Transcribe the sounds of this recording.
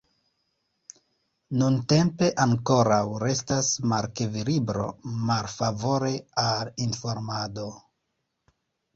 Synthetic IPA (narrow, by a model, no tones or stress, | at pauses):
nunte̞mpe̞ʔaŋko̞ɾawɾe̞stasmaɾkevilibɾo̞̰maɾfavo̞ɾe̞alinfo̞ɾmado̞